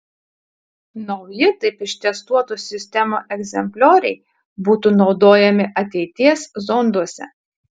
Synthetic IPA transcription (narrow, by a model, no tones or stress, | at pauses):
nɒʊjɪt̪ɐɪpɪʃt̪ʲɛst̪uɔt̪uːsʲɪsʲt̪ʲɛmoːʔɛɡzʲɛmʲpʲlʲoːɾʲɛɪ | buːt̪uːnɒʊd̪oːjɛmʲɪʔɐt̪ʲɛɪt̪ʲiɛszɔnd̪uɔsʲɛ̰